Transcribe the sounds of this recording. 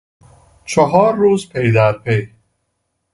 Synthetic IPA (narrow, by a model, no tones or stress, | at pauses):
t͡ʃʰɔɦɒːɾːuːzpʰejd̪æɾpʰe̞j